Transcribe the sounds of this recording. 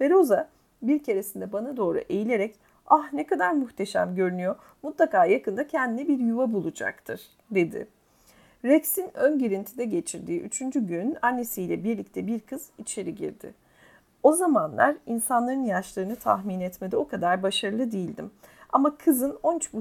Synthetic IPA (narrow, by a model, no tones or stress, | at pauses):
fe̞ɾo̞za | biɾcʰe̞ɾesind̪ɛbanad̪o̞ːɾṵʔejilʲe̞ɾɛc | ahnɛkad̪aɾmuxt̪ʰe̞ʃæ̰mɟø̞ɾynyjo̞ | mut̪lˠakaːjakɯnd̪acʰɛnd̪inɛbiɾjuvabulˠud͡ʒa̰kt̪ʰɯɾ̥ | d̪e̞d̪ɪ̰ | ɾɛksinønɟiɾint̪ʰid̪ɛɟe̞t͡ʃʰiɾd̪iːʔy̰t͡ʃʰynd͡ʒyɟynanːe̞sijlʲɛbiɾlʲic̚t̪ʰɛbiɾkʰɯz̥it͡ʃʰe̞ɾiɟḭɾd̪ɪ̰ | o̞zamanlˠa̰ɾinsanlˠaɾɯnjaʃlˠaɾɯnɯt̪ʰa̰xminɛt̪med̪io̞kʰad̪aɾbaʃaɾɯlˠɯd̪ijilʲd̪ḭmamakʰɯzɯno̞nyt͡ʃbu